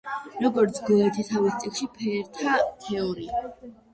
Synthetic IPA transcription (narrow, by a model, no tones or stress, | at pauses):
ɾɔɡɔɾt̪sʰɡɛɛt̪ʰist̪ʰavist̪sʼikʃipʰɛɾt̪ʰat̪ʰɛɔɾḭa